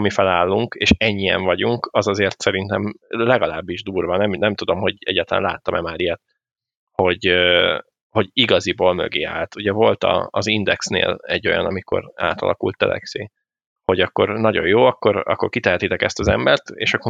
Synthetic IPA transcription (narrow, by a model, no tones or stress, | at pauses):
mifɛlaːlːuŋkeːʃɛɲːijɛ̰ɱvɒɟuŋkɒzɒzeːrt̪sɛɾint̪ɛmlɛɡɒlaːbːiʒd̪uːrvɒnɛmnɛmt̪ud̪o̞mho̞ɟɛ̰ɟːaːt̪ɛla̰nlaːt̪ːɒmɛmaːɾijɛt̪̚ | ho̞ɟø | ho̞ɟiɡɒziboːlmø̰ɡḛːa̰ːlt̪uɟɛvo̞lt̪ɒ̰ːzind̪ɛksnḛːlɛɟːo̞jɒ̰nɒmiko̞̰ɾa̰ːt̪ɒ̰lɒ̰kult̪ːɛ̰lɛ̰ksḛː | ho̞ɟɒkːo̞ɾnɒɟo̞̰joːɒkːo̞ɾɒ̰kːo̞rkit̪ɛɦɛt̪it̪ɛkɛst̪ɒzɛ̰mbɛrt̪ḛːʃɒkːo